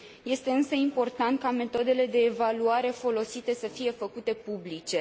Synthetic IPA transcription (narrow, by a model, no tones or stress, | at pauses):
je̞st̪e̞ɨnsəimpo̞rt̪ant̪̚kame̞t̪o̞d̪e̞le̞d̪e̞ːvaluaɾe̞fo̞lo̞sit̪e̞səfije̞fəkut̪e̞publit͡ʃe̞